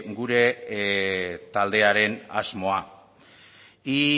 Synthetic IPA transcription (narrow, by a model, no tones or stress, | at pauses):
ɡuɾe̞ | t̪ald̪e̞aɾe̞na̰zmo̞a | i